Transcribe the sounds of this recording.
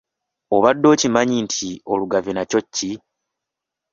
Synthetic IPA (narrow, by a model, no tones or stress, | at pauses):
o̞βadːo̞ːcimaɲintʰio̞luɡavinaco̞cːi